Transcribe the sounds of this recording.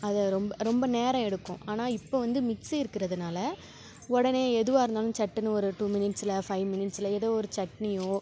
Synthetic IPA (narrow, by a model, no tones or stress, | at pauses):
ɐðɐɾɔmbɐɾɔmbɐneːɾɐ̃ɛɽɯkːʊ̃ʔaːnaːɪpːoːʋɐnd̪ɯmɪksiɪɾɯkːɪɾɐðɯnaːlɐ | ɔɽɐneːɛðɯʋaːɪɾɯnd̪aːlʊ̃mt͡ʃɐʈːɯnɯɔɾɯʈuːmɪnɪʈsɪlɐfɐɪʋmɪnɪʈsɪlɐɛðoːɔɾɯt͡ʃɐʈnɪjoː